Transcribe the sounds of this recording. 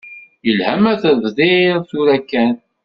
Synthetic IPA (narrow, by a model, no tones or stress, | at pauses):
jəlhæmæθəvðiɾθuɾækːæn